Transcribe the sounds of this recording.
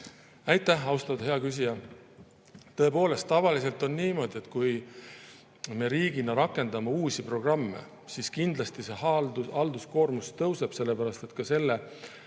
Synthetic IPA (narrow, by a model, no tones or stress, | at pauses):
æjt̪ːˑæhɑwst̪ɑd̪he̞ɑkys̬ʲijɑ | t̪ɤ̞e̞po̞ːle̞st̪ːɑvɑlise̞lt̪ˑo̞nniːmo̞d̪ie̞t̪ːˑkuj | me̞ɾiːɡ̥inɑɾɑkːˑe̞nd̪̥ɑmeuːsipro̞ɡ̥rɑmːḛ | siskind̪lɑst̪ise̞hɑld̪uɑld̪̥usko̞ːrmust̪ɤwse̞b̥se̞lːe̞pæɾɑst̪e̞t̪ˑkɑse̞lːe